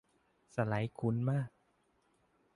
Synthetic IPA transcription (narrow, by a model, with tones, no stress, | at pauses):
sa˧la˩˦jkʰu˧˦˥nmaː˥˩k̚